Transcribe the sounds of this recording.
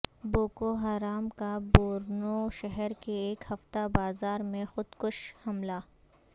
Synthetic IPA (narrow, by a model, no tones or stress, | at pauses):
boːkoɦaːɾaːmkaboːɾnoʃɛɦɛɾkeeːkhɐft̪abaːzaːɾmẽxʊd̪kʊʃhɐmlaː